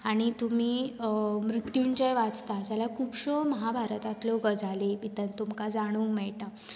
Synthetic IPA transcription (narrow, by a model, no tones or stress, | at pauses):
aɽ̃it̪um̤iːmɾut̪juɲt͡ɕejʋat͡st̪asalakʰuːpɕoməɦabʱaɾt̪at̪loɡəd͡zʱalebit̪ənt̪umkad͡zaɽ̃uːŋmɛɭʈa